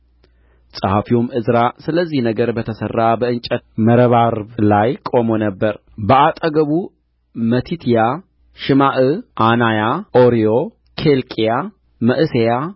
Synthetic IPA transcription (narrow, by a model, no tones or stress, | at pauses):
sʼəhafiwomːɨzɾasɨləzːihnəɡəɾbət̪ʰəsərːabəɨnt͡ʃʼət̪məɾəβaɾblajkʼo̞mo̞nəbːəɾ | bəʔat̪ʼəɡəβu | mət̪ʰit̪ʰija | ʃɨmaʔɨʔanajaʔoɾijo | kʰelkʼija | məʔɨseja